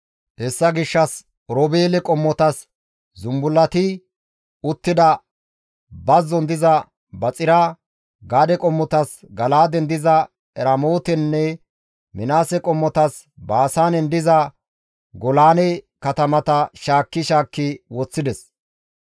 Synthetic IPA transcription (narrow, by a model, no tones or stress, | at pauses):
hɛsːɐɡɪʃːɐs | ɾɔbeːlɛkʼɔmːɔt̪ɐs | zʊmbʊlːɐt̪ɪ | ʊt̪ːɪd̪ɐ | bɐzːɔnd̪ɪzɐ | bɐt͡sʼɪɾa | ɡaːd̪ɛkʼɔmːɔt̪ɐs | ɡɐlaːd̪ɛnd̪ɪzɐ | ɛɾɐmoːt̪ɛnːɛ | mɪnaːsɛkʼɔmːɔt̪ɐs | baːsaːnɛnd̪ɪzɐ | ɡɔlaːnɛ | kɐt̪ɐmɐt̪ɐʃaːkːɪʃaːkːɪwɔt͡sːɪd̪ɛs